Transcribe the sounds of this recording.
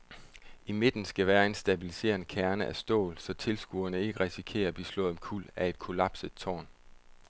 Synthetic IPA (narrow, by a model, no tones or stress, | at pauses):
ime̝d̥n̩sɡ̥æʋæːɐe̝nsd̥æb̥ilise̝̰ːɐn̩kʰæɐnəʔæsd̥ɔ̰̽ːlsɒ̽t͡sʰe̝lsɡ̥uɐnəe̝ɡ̥əʁisikʰe̝̰ːɐb̥islɔ̽ð̩ˠmkʰul̰æe̝d̥̚kʰo̝læb̥sə̥t͡sʰɒ̰ːn